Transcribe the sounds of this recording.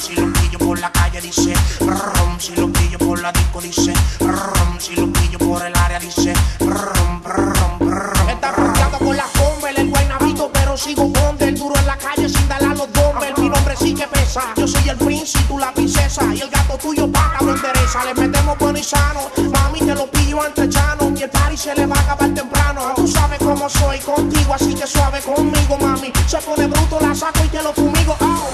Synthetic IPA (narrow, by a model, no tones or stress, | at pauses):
silopiʎopoɾlakaʎeðisepomsilopiʎopoɾlaðikoðisepomsilopiʎopoɾelaɾjaðisepompomoet̪apop̪jaðokonlafombelelɡwajnaβit̪opeɾosiɣoond̪eːld̪uɾoelakaʎesĩnd̪alaloðombelmĩnõmbɾesikepesaʝosojelpɾĩnsit̪ulapɾinsesaielɡat̪ot̪uʝopaɣaðond̪eɾesalemet̪emobwenoisanomãmit̪elopiʎoãnt̪ɾet͡ʃanokepaɾiseleβakaβalt̪empɾanot̪usaβekomosojkont̪iɣoasikeswaβekommiɣomãmiseponeβɾut̪olasakoit̪elofumiɣoa